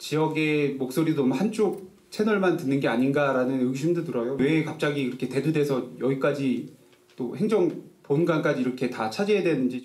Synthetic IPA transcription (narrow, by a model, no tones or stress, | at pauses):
t͡ɕijʌɡe̞mok̚s͈oɾidomhant͡ɕ͈ok̚ | t͡ɕʰe̞nʌɭmantɯnːɯnɡe̞aɲinɡaɾanɯnɯɡiɕʰimdotɯɾʌjowe̞kap̚t͡ɕ͈aɡiiɾʌkʰe̞te̞dudesʰʌjʌɡik͈ad͡ʑi | t͈ohe̞ŋd͡ʑʌŋponɡank͈ad͡ʑiːɾʌkʰe̞tat͡ɕʰad͡ʑiedwe̞nɯnd͡ʑi